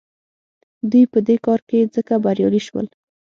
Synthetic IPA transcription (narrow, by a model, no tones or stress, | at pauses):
d̪ujpəd̪ekɑɾked͡zəkabaɾjɑ̰liʃwə̰l